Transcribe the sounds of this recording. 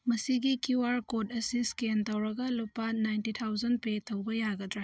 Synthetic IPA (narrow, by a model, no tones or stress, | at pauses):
mɐsiɡikuwaɾkodɐsiskentɐwɾɐɡɐlupːɐnajntitʰawzɐn̚petɐwbɐjaɡɐdɾa